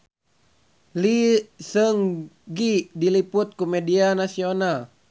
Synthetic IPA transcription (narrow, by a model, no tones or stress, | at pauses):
lisəŋɡidiliput̪̚kumɛdianasional